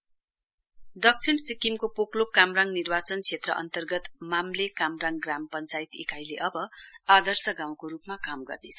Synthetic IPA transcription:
d̪ʌk̚t͡sʰiɳsikimkopoklopkamraŋnirbat͡sʌnt͡sʰet̪rʌ̰ʔʌ̰nt̪ʌrɡʌt̪mamlekamraŋɡrampʌnt͡sajt̪ḭkajleʔʌbʌad̪ʌrsʌɡaw̃koɾupmakamɡʌ̰rnet͡sʰʌ̥

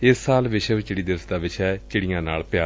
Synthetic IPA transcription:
ɪsːaːlʋɪʃɛt͡ʃɪɽiːd̪ɪʋəsd̪aːʋɪt͡ʃʰɛːt͡ʃɪɽijãːnaːlpɪjaː

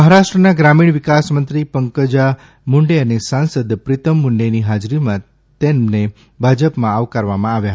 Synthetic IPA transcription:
məɦaɾaʃʈɾənaɡɾamiɳ̃ʋɪkasmənt̪ɾipəŋkəd͡ʒa | muɳɖeənesãnsəd̪pɾɪt̪ʰəmːuɳɖeniɦad͡ʒɾimã | t̪ene | bʱad͡ʒəpmãaʋkaɾʋamãaʋjaɦ

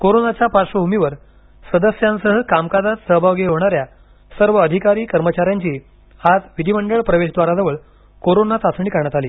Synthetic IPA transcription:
koɾonat͡ɕjapaɾʂʋəbʱumiʋəɾ | səd̪əsjansəɦəkamkad͡zat̪səɦbʱaʋɡeɦoɽ̃aɾja | səɾʋəːd̪ʱikaɾiːkəɾmət͡ɕaɾjaɲt͡ɕiː | had͡zʋid̪ʱiməɳɖəɭpɾəʋeɕd̪ʋaɾad͡zəʋəɭ | koɾonat͡sasɳiːkəɾɳjat̪aliː

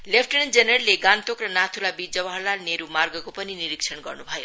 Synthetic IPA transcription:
lepʰʈʌɽnd͡zenʌrleɡant̪okrʌnat̪ʰulabid͡zʌbaɦʌlaneɾumarɡʌkopʌniniɾiksʰʌnɡʌrnubʱʌjo

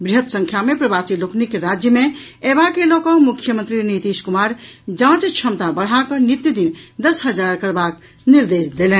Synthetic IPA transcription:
bɾiɦət̪sə̃ŋkʰjamẽpɾəbasiloknikɾad͡ʒjəmẽebakelɔkɔmukʰjəmənt̪ɾinit̪iʃkumaɾd͡ʒãt͡ʃt͡ʃʰəmt̪abəɽ̤akənit̪jud̪ind̪əsɦəd͡ʒaɾkəɾbak | niɾd̪esd̪elɛ̃

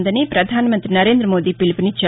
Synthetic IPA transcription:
nd̪ɐnepɾɐd̪ʱaːnmɐ̃nt̪ɾinɐɾeːnd̪ɾəmoːd̪iːpɪlpnit͡ʃɐ

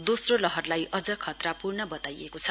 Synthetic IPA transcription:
d̪osrolʌɦʌrlajʔʌd͡zʌkʰːʌt̪rapurnʌbʌt̪ajekot͡sʰʌ

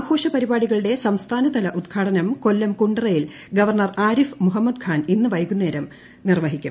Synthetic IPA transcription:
aːɡʱo̞ːʂɐpɐɾibaːɽiɣɐɭuɽe̞sɐmst̪ʰaːnɐd̪ɐlɐʔud̪ɡʰʱaːʈɐnɐmko̞lːɐmkuɳɖɨrɐjil | ɡɐʋɐrɳɐraːɾifmuɦɐmːɐd̪kʰaːninːɨʋɐjkunːeːɾɐm | nirʋɐːɦikʲːum

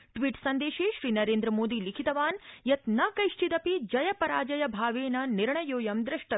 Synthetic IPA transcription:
ʈʋiːʈsɐnd̪eːʃeːʃɾiːnɐɾeːnd̪ɾɐmoːd̪iːlikʰit̪ɐʋaːnjɐt̪nɐːkɐjʃʈʰid̪ɐpid͡ʒɐjɐpɐɾaːd͡ʒɐjɐbʱaːʋeːnɐniɾɳɐjoːjɐmd̪ɾɪʂʈɐ

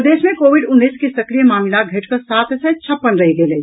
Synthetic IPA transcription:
d̪eːsmẽkoːʋɪɖʊnːiːskesɐkɾijəmaːmilaɡʱeʈʰkɐsaːt̪set͡ʃʰɐpːənɾɐɦiɡele

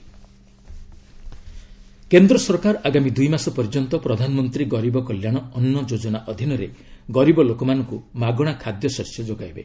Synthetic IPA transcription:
kend̪ɾɔsɔɾkaɾʔaɡamid̪ujmasɔpɔɾid͡ʒɔnt̪ɔpɾɔd̪ʱanɔmɔnt̪ɾiɡɔɾibɔkɔljaɽ̃ɔɔnːɔd͡ʒod͡ʒɔnaʔɔd̪ʱinɔɾeɡɔɾibɔlokɔmanɔŋkumaɡɔɽ̃akʰad̪jɔsɔɾsjɔd͡ʒoɡajbe

